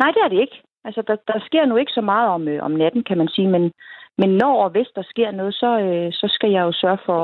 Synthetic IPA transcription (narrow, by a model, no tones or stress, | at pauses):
nɑ̈ɪ̰d̥eæɐɾ̥e̝e̝ɡ̥ə | ʔælsəd̥ɑ̈d̥ɑ̈sɡ̥e̝ɐ̰nue̝ɡ̥ə̥sɒ̽mɑ̈ːð̞̩ˠɒ̽møʔɒ̰mnæd̥n̩kʰæmænsiːmenmenːɒ̰ːɒʋe̝sd̥ɑ̈sɡ̥e̝ɐ̰nɔ̽ːð̞̩ˠsɒ̽øsɒ̽sɡ̥æjɑ̈ɪjo̝sɶɐfɒ̽